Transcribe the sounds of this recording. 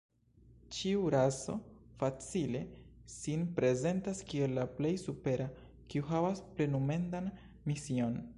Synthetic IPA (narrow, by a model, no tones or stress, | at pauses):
t͡ʃiuɾaso̞̰fat͡sile̞sinpɾe̞ze̞ntaskie̞lːaple̞jsupe̞ɾa | kiuɦavasple̞nume̞ndan | misio̞n